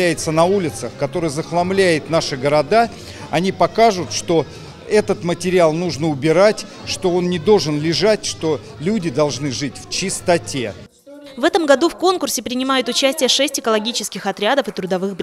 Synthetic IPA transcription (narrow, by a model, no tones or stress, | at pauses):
æjɪt̪sənɐulʲɪt̪səxkɐt̪o̞ɾɨjəzəxlˠɐmlʲæjɪt̪naʂɨɡəɾɐd̪a | ɐnʲipɐkaʐʊt̪ʂt̪o̞ | ɛt̪ət̪mətʲɪɾʲɪalˠnuʐnəʊbʲɪɾatʲ | ʂt̪o̞o̞nnʲɪd̪o̞lˠʐɨnlʲɪʐatʲʂt̪o̞ | lʲudʲɪd̪ɐlˠʐnɨʐɨtʲft͡ɕɪst̪ɐtʲḛ | vɛt̪əmɡɐd̪ufko̞nkʊrsʲɪpɾʲɪnʲɪmajʊt̪ʊt͡ɕæsʲtʲɪjəʂɛsʲtʲɪkəlˠɐɡʲit͡ɕɪskʲɪxɐt̪ɾʲad̪əfɨt̪ɾʊd̪ɐvɨxb